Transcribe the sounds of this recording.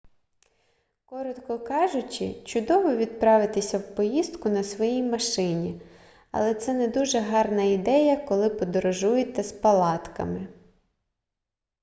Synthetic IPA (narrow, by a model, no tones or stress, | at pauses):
kɔɾɔt̪kɔkɑʒʊt͡ʃɪ̰t͡ʃʊd̪ɔʋɔʋʲid̪̚pɾɑʋɪt̪ɪsʲɐwpɔjizt̪kʊnɐsʋɔjijmɐʃɪnʲi | ɐ̰lˠɛt̪sɛnɛd̪uʒɛɦɑrnɐid̪ɛjɐkɔlˠɪpɔd̪ɔɾɔʒujet̪ɛspɐlˠɑt̪kɐ̰mɪ